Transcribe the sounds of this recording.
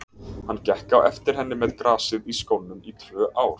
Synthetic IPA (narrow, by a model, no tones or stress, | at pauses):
hanːcɛhkawɛft̪ɪɾ̥ɦɛnːɪmɛðkɾaːsɪðiskownːʏmit̪ʰvœːʔaːwɾ̥